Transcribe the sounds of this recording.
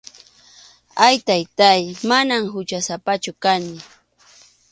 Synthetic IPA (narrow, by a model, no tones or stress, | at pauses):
ajt̪ajt̪ajmanamɦʊt͡ʃasapat͡ʃʊkanɪ